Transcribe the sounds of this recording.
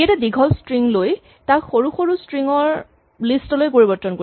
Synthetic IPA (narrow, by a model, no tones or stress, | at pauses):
jatɛdiɡʱɔlstɹiŋloj | taɹxoɹuxoɹustɹiŋɔɹ | listɔlojkoɹibɔɹtːɔnkoɹ